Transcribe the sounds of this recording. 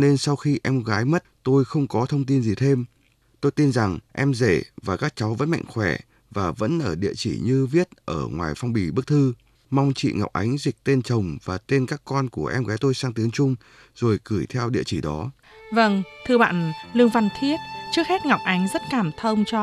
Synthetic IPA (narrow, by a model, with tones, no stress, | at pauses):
ne˧nsa˧wxi˧ʔɛ˧mɣaː˨˦jmə˦˥t̚t̪o˧jxə˧wŋ͡mkɔ˨˦t̪ʰə˧wŋ͡mt̪i˧nzi˨˩t̪ʰe˧m | t̪o˧jt̪i˧nza˨˩ŋʔɛ˧mze˧˩vaː˨˩kaː˦˥k̚t͡ɕa˨˦wvə̰˧˥nma̰˧˨ŋ̟xwɛ˧˩ | vaː˨˩və̰˧˥nʔəː˧˩ɗḭ˧˨ət͡ɕḭ˧˩ɲɨ˧vi˦˥ət̚ʔəː˧˩ŋwaː˨˩jfa˧wŋ͡mɓi˨˩ɓɨ˦˥k̚t̪ʰɨ˧ | ma˧wŋ͡mt͡ɕḭ˧˨ŋa˨˩wk͡p̚ʔa̰˨˦jŋ̟zï˨˩k̟̚t̪e˧nt͡ɕə˨˩wŋ͡mvaː˨˩t̪e˧nkaː˦˥kːɔ˧nku˧˩əʔɛ˧mɣɛ˨˦jt̪o˧jsaː˧ŋt̪i˨˦əŋt͡ɕʊ˧ŋ͡m | z̥o˨˩jkɨ˧˩jt̪ʰɛ˧wɗḭ˧˨ət͡ɕi˧˩ɗɔ˨˦ | və˧ŋt̪ʰɨ˧əɓa̰ː˧˨nlɨ˧əŋva˨˩nt̪ʰi˦˥ət̚t͡ɕɨ˦˥ək̚hɛ˦˥t̚ŋa˨˩wk͡p̚ʔa˨˦jŋ̟zə˦˥t̚kaː˧˩mt̪ʰə˧wŋ͡mt͡ɕɔ˧